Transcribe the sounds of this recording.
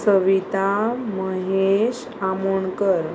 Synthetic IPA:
səʋit̪aməɦeɕ | amoɳkəɾ

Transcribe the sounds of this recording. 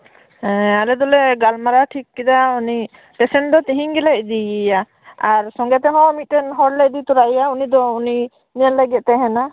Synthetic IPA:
hɛ̃alɛd̪ɔlɛɡalmaɾaʈʰikːid̪auni | pɛsɛn̚d̪ɔt̪iɦiɲɡɛlɛc̚d̪ija | aɾsɔŋɡɛt̪ɛɦɔ̃mit̪̚ːɛnɦɔɾlɛc̚d̪it̪uɾaijaunid̪ɔuni | niənlɛɡɛt̪̚t̪ɛɦɛna

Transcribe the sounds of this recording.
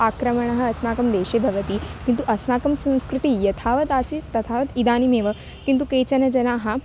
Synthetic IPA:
aːkɾɐmɐɳ̃ɐɦɐ̆ɐsmaːkɐmd̪eːʃeːbʱɐʋɐt̪iːkint̪uʔɐsmaːkɐmsɐ̃mskɾut̪ijɐt̪ʰaːʋɐt̪aːsit̪ɐt̪ʰaːʋɐt̪id̪aːnimeːʋɐ | kint̪ukeːt͡ɕɐnɐd͡ʒɐnaːɦɐ

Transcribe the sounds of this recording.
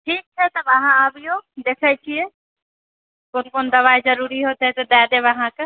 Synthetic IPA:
ʈʰiːk̚t͡ʃʰɛt̪ɐʋɐɦãabijod̪eːkʰaːit͡ʃʰieː | konkoːnd̪ɐʋaːezɐɾuːɾiɦoːt̪eɦɛt̪ed̪ɛːd̪eʋɐɦãke

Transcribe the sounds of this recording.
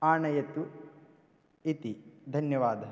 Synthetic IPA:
aːɳɐjɐt̪u | it̪id̪ʱɐnjɐʋaːd̪ʱɐ

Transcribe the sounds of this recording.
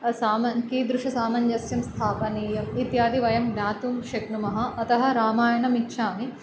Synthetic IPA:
saːmɐnkid̪ɾuʂɐsaːmɐɲjɐsjɐmst̪ʰaːpɐniːjɐmit̪jaːd̪iʋɐjɐmnaːt̪umʃɐknumɐɦɐ̆ɐt̪ɐɦɐ̆ɾaːmaːjɐnɐmitːʃʰaːmi

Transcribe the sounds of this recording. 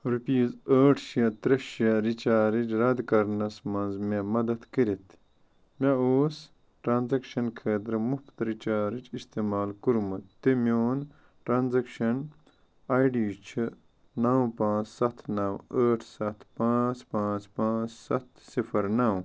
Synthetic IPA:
ɾipiːzəːʈʰʃiɐt̪ɾɐʃɐɾit͡ʃaːɾid͡ʒɾɐd̪kɐɾnɐsmɐnzmemɐd̪ɐt̪kiɾit̪ʰ | maoːs | ʈɾaːnzɐkʃɐnkʰeːt̪ɾmupt̪ɾit͡ʃaːɾit͡ʃist̪eːmaːlkuɾmɐt̪t̪emjoːn | ʈɾaːnzɐkʃɐn | aːjɖiːt͡ʃʰi | nɐwpãːt͡ssɐt̪ʰnɐwəːʈʰsɐt̪ʰpãːt͡spãːt͡spãːt͡ssɐt̪sifʰɐɾnɐw

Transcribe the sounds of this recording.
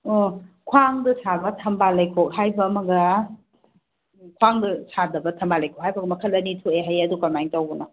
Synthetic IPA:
okʰwaŋdɐsabɐtʰɐmbalɐjkʰok̚hajbɐːmɐɡɐ | kʰwaŋdɐsʰadɐbɐtʰɐmbalɐjkʰok̚hajbɐɡɐmɐkʰɐl̚ɐnitʰoeɦajɐdukɐmajŋtɐwbunɐ

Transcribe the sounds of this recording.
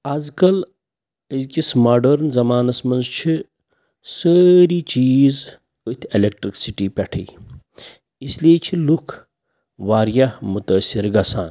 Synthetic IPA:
aːzkɐl | əzkismaːɖɐɾnzɐmaːnɐsmɐnzt͡ʃʰi | səɾiːt͡ʃiːz | ot̪ʰelek̚ʈɾiksiʈipʲɐʈʰə̰ː | islijet͡ʃʰilukʰ | ʋaːɾjamut̪əːsiɾɡɐsaːn

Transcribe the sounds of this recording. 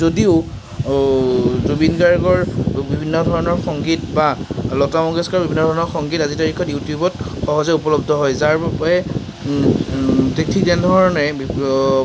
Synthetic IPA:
zodiʊ | zubinɡaɹɡɔɹbibʱinːɔdʱɔɹɔnɔɹxɔŋɡitbalɔtamɔɡɛskaɔbibʱinːɔdʱɔɹɔnɔɹxɔŋɡitazitaɹikʰːɔtjutijubɔt | xɔɦɔzɛupɔlɔbdʱɔɦɔjzaɹɛ | tek̚tʰikdɛndʱɔɹɹɔnɛ

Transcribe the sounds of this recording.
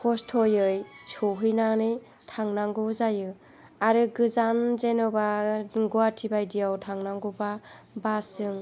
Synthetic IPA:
kʰɔstʰojɯjsʰoɦɯjnanɯj | tʰaŋnaŋɡuzajɯ | aɾɯɡɯzanzenɯbaɡuatʰibajdijawtʰaŋnaŋɡuba | basɯŋ

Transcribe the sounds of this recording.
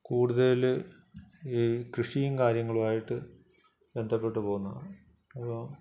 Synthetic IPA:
kuːɽuðɐl | krɨʂijumkaːɾjɐŋːɐɭuaːjiʈːɨ | ʋe̞nd̪ʱɐpːe̞ʈːɨpo̞ːɣunːɐðɳ | ɐpːo

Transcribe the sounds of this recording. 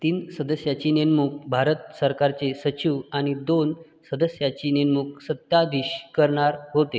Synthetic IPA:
t̪iːnsəd̪əsjat͡ɕiːnenmuːk̚bʱaɾət̪səɾkaɾt͡sesət͡ɕiʋaɽ̃id̪on | səd̪əsjat͡ɕiːnenmuːk̚sət̪ːad̪iɕkəɾɳaɾɦot̪e

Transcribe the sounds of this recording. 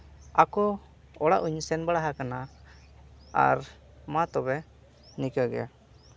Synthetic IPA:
akɔ | ɔɽa̰ʔuɲsɛnbaɽaɦakana | a̰ɾ | mat̪ɔbɛ | nikəɡɛ̰ja̰

